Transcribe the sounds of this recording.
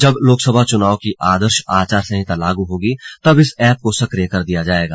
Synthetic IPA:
d͡ʒɐbloːksəbʱat͡ʃʊnaːokiaːd̪əɾʃaːt͡ʃaːɾsɐɦĩt̪alaːɡuɦoːɡit̪ɐbɪsɛːp̚kosɐkɾijəkɐɾd̪ijad͡ʒaːeːɡaː

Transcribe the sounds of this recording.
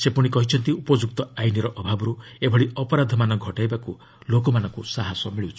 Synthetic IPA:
sepuɽ̃ikɔɦit͡ʃʰɔnt̪iupɔd͡ʒuk̚t̪ɔajniɾɔʔɔbʱabɔɾuebʱɔɽiɔpɔɾad̪ʱɔmanɔɡʱɔʈajbaku | lokɔmanɔŋkusaɦɔsɔmiɭiwt͡ʃʰi̥

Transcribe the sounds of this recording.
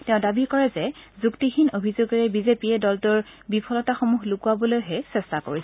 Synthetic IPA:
tɛʊ̃dabikɔɹɛzɛzuktixʰinobʱizoɡɔɹɛbizepiɛdɔltʊɹbipʰɔlɔtaxomuxlukuabɔlojɦɛsɛstako̰ɹisɛ

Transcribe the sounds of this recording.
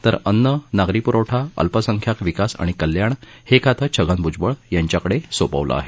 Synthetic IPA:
t̪əɾənːənaɡɾipuɾawʈʰaə̰lpəsəŋkʰjakʋikasa̰ɽ̃ikəljaɳ | hekʰat̪ʰət͡ɕʰəɡənbʱud͡zbəɭjaɲt͡ɕjakəɽesopə̰ʋlʔa̰a̰ɦe

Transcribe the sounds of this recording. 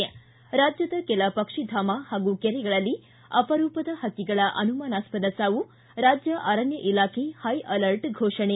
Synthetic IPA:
ɐ | ɾaːd͡ʒjɐd̪ɐkɛlɐpɐkʂid̪ʱaːmahaːɡukɛɾɛɡɐɭɐlːi | ɐpɐɾuːpɐd̪ɐhɐkːiɡɐɭɐʔɐnumaːnaːspɐd̪ɐsaːʋu | ɾaːd͡ʒjɐʔaːɾɐnjɐʔilaːkʰehɐjʔɐlɐɾʈɡʱoːʂɐɳe

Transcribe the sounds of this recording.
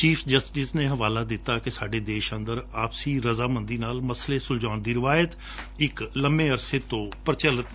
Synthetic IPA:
t͡ʃiːfd͡ʒəsʈɪsnẽːɦəʋaːlaːd̪ɪt̪aːkɪsaːɖeːd̪eːʃə̃nd̪əɾaːpsiːɾəzaːmə̃nd̪iːnaːlməsleːsʊld͡ʒaːnd̪iːɾɪʋaːjət̪ | ɪkləmbẽːəɾseːt̪õːpəɾt͡ʃələt̪

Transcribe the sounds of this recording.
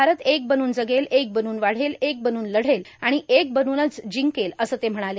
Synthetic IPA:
aɾət̪ek̚bənuːnd͡zəɡelek̚bənuːnʋaɽ̤elek̚bənuːnləɽ̤elaɽ̃iʔek̚bənuːnət͡sd͡ʑiŋkeləsəːt̪em̤əɽ̃ale

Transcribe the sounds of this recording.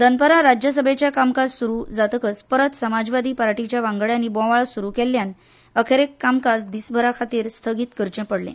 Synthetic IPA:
d̪ənpəɾaɾad͡ʑjəs̬əbʱet͡ɕjakamkassuɾuːd͡zat̪əkəspəɾət̪səmad͡zʋad̪ʱiːpəɾaʈit͡ɕjaʋãŋɡɭjanibɔ̃ʋaɭsuɾukɛlːjan | əkʰeɾekːamkasd̪isbʱəɾakʰat̪iːɾst̪ʰəɡiːt̪kəɾt͡ɕẽpəɽlḛ̃

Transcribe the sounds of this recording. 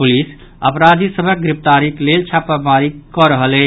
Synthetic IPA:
pulis | əpɾad̪ʱisəbʱək̚ɡɾip̚t̪aɾiklelt͡ʃʰapəmaɾikɔɾəɦəlɛ

